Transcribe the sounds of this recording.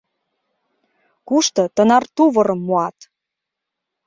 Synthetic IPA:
kuʃt̪ɤ̆t̪ə̆nɑrt̪uβɤɾɤ̆mːuɑt̪

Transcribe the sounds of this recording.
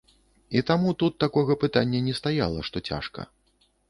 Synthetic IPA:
it̪amut̪ut̪ːakɔɣɐpɨt̪anʲːɐnʲɛst̪aja̰lˠɐʂt̪ɔt͡sʲa̰ʂkɐ̰

